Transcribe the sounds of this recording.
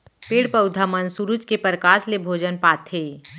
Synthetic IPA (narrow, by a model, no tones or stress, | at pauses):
peːɽpəʊd̪ʱamənsuɾud͡ʒkepəɾkaːslebʱoːd͡ʒənpaːt̪ʰeː